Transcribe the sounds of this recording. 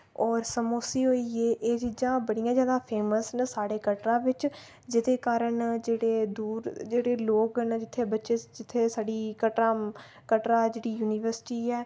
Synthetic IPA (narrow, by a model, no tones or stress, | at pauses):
ɔːɾsəmoːsiːɦoːiːeːʔeːd͡ʒɪd͡ʒãːbəɽijãːzjaːd̪aːpʰeːməsnsaːɽeːkəʈɾãːʋɪt͡ʃ | d͡ʒɪd̪eːkaːɾəɳd͡ʒeːɽeːd̪uːɾd͡ʒeːɽeːloːknd͡ʒɪt̪ʰːeːbətːʃeːd͡ʒɪt̪ʰːeːsaːɖiːkəʈãː | kəʈɾaːd͡ʒeːɽiːjuːnɪːʋəɾsɪ̥ʈiːɛː